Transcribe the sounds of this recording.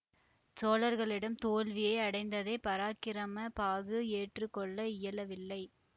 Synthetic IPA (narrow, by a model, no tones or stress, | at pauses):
soːlɐɾɣɐɭɪɽɐmt̪oːlʋɪjɐɪɐɽɐɪnd̪ɐðɐɪpɐɾaːkːɪɾɐmɐpaːɣɯeːʈrɯkːɔɭːɐɪjɐlɐʋɪlːɐɪ